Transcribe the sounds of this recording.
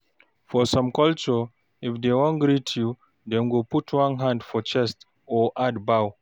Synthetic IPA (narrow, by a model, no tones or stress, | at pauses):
fɔsɔ̃mkɔlt͡ʃɔ | ifd̪ewɔ̃nɡɹitʰju | d̪ɛ̃nɡoputʰwãnɦãndfɔt͡ʃɛst | ɔʔadbaw